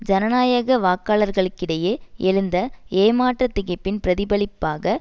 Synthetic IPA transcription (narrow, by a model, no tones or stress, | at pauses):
d͡ʒɐnɐnaːjɐɣɐʋaːkːaːɭɐɾɣɐɭɯkːɪɽɐjeʔɛɻɯnd̪ɐeːmaːʈrɐt̪ːɪɣɐpːɪnpɪɾɐðɪbɐɭɪpːaːɣɐ